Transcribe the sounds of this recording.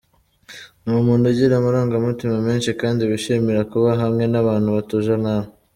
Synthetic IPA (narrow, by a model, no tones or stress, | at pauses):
numuːneɟiɾamaɾaːŋɡamutimame̞ːnʃikaːndiβiʃimiɾakuβaɦamŋe̞naβaːn̥huβatuʒanama